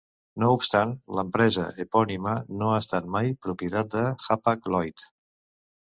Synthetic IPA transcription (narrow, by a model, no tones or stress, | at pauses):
noupst̪anləmpɾɛzə̰ʔepɔnimənoəst̪at̪̚majpɾupiət̪at̪̚d̪əxapaklɔjt̪